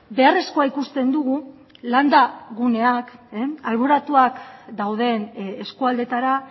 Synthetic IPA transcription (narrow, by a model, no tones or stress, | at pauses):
be̞are̞sko̞aikust̪e̞nd̪uɣ̞u | land̪aɣune̞akalβoɾat̪uakd̪awð̞e̞neskuald̪e̞t̪aɾa